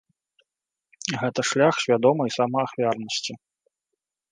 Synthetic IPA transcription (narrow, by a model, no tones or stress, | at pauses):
ɣɛt̪ɐʂlʲaxsʲvʲad̪ɔmɨisamɐaxvʲarnɐsʲt͡sʲi